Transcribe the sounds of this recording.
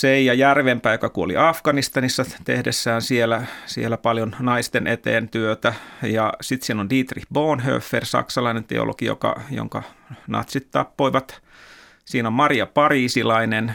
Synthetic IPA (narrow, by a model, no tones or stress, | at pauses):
seijɑjærʋempæːjokɑkuolḭɑfɡɑnist̪ɑnisːɑt̪ḛhdesːæːnsielæsielːæpɑljonnɑist̪enʔet̪ḛːnt̪yøt̪æjɑsit̪siːnondiːt̪rihboːnɦø̰ːfːersɑ̰ksɑlɑinent̪ḛo̰lo̰kijo̰kɑ̰jo̰ŋkɑ̰nɑ̰t̪sit̪t̪ɑ̰pːoiʋɑt̪ | siːnommɑrijɑpɑriːsilɑinen